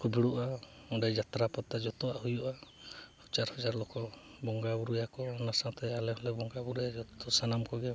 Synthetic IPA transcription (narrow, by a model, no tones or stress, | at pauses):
kɔbiɽuʔaɔɖɛd͡ʒat̪ɾapɔt̪ːad͡ʒɔt̪ɔahujɔʔa | t͡ʃaɾhɔd͡ʒaɾlɔkɔ | bɔŋɡabuɾujakɔnasãt̪ɛalɛɦɔlɛbɔŋɡabuɾujad͡ʒɔt̪ɔsanamkɔɡɛ